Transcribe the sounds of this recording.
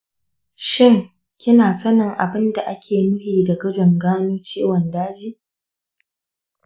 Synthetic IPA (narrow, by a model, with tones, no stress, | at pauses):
ʃɪ˦ŋ | kʲɪ˦naː˨sɐ˦nɪ˨ŋʔa̰˨bɪ˦nda˨ʔa˦kʲʰeː˨nʊ˦ɸiː˨da˨ɡɐ˦d͡ʒɪ˨ŋɡaː˦nuː˦t͡ʃeː˦wɐ˨ndaː˦d͡ʒiː˦